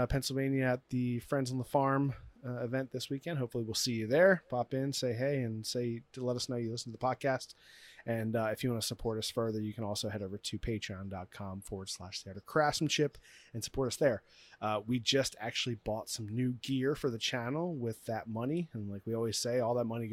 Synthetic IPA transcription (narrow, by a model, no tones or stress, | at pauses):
pʰɛ̃nsl̩ˠvẽɪ̃njɨːt̪̚ðɨfɹɛ̃ndzn̩ðəfɑɹmɪvɛ̃nðɪswikɛ̃nd̥̚ɦoʊpfl̩ˠiwilˠsijɨðə˞pʰɑpɪ̃nseɪɦeɪɨ̃nseɪlɛɾʌsnoʊjɨlɪsn̩tʰɨðəpʰɑd̚kʰæstɨ̃nɨfjɨwɑ̃nɨsəpʰɔɹɾʌsfɜ˞ðə˞jɨkʰɨ̃nɔlˠsoʊhɛɾoʊvə˞tʰɨpʰeɪtɹ̥iɑ̃ndɑt̚kʰɑ̃ɱfɔɹwə˞d̥slæʃθiəɾə˞kʰɹ̥æsm̩t͡ʃʰɪpɨ̃nsə̥pʰɔɹɾʌsðə˞ʌwid͡ʒʌstʰæ̰k̚t͡ʃʉl̩ˠibɔtsʌ̃mnʉɡɪɹfə˞ðɨt͡ʃʰænl̩ˠwɪðɨt̚mʌniɨ̃nlaɪkwiɔlˠwiz̥seɪɔlˠðət̚mʌni